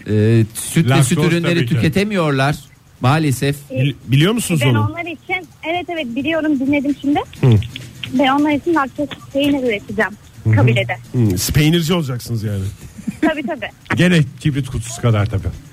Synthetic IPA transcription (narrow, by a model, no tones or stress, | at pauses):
ɛːsyt̪ʲɛsyt̪ʰyɾynlʲe̞ɾit̪ʰycʰe̞t̪ʰemijo̞ɾlˠaɾ̥ | maːlʲesɛfbilʲijo̞ɾmusunuzbono̞nlˠaɾit͡ʃʰinɛvɛt̪ʰːevɛbilʲijo̞ɾumd̪inlːʲe̞d̪imʃimd̪ɪh̩bæno̞nlˠaɾit͡ʃʰinvaɾt̪ʰɯkspʰejinɛɾyɾet̪ʰid͡ʒæm | kʰabilʲed̪ɛspʰejniɾd͡ʒio̞lˠd͡ʒaksɯnɯzjaːnɪt̪ʰabiːt̪ʰabi | ɟelɛcʰibɾit̪kʰut̪ʰu̥su̥kʰad̪aɾt̪ʰabi